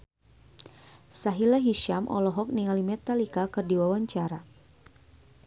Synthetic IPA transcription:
saɦilaɦiʃamʔɔ̰lɔɦɔk̚niŋalimɛt̪alikakɨrdiwawaɲt͡ʃaɾa

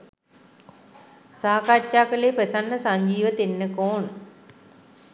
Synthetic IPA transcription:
saːkat͡ʃʃaːkəleːpesanːəsaɲd͡ʒiːʋət̪enːəkoːn

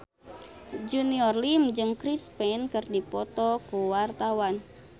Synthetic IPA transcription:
d͡ʒuniɔrlimd͡ʒɨŋkɾispɛnkɨrdipɔt̪ɔkuwart̪awan

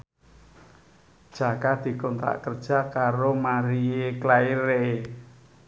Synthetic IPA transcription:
d̥ʒ̥a̤kad̪̥i̤kɔnt̪ɾa̰ʔkərd̥ʒ̥a̤kaɾomaɾieklaiɾee

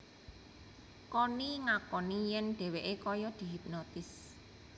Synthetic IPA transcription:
kɔniŋakɔnijɛnɖ̪̥ɛ̤weʔekɔjɔd̪̥i̤ɦip̚nɔt̪ɪs

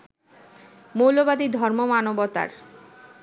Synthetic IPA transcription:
mowlobad̪id̪ʱɔɾmomanobɔt̪a̰ɾ

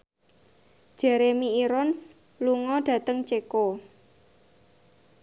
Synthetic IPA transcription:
ʒ̥ɛ̤ɾemiiɾɔns | luŋɔɖ̥ä̤t̪əŋt͡ʃeko

